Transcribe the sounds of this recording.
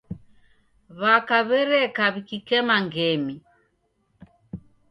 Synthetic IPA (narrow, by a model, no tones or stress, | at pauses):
βakaβɛɾɛkaβikikɛmaŋɡɛmi